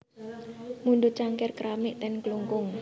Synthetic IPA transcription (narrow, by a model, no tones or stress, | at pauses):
munɖʊt͡ʃaŋkɪrkɾamɪʔt̪ɛnkluŋkʊŋ